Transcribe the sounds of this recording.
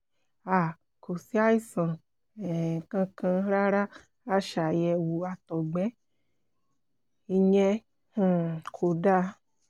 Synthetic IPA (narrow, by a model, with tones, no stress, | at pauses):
a˨ | ko˨si˦a˦i˦sã˨ | ɛ˨kã˧kã˧ɾa˦ɾa˦ | a˦ʃa˨jɛ˧wu˧a˧tɔ˨ɡ͡bɛ˨˦ | i˧ɲɛ˧ | h̩˨kʰo˨da˦